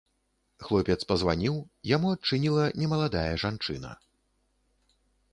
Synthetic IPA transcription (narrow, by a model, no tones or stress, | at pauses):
xlˠɔpʲɛt̪spɐzvanʲiwjamuat͡ʂɨnʲilˠɐnʲɛmɐlˠad̪ajɐʐant͡ʂɨnɐ̰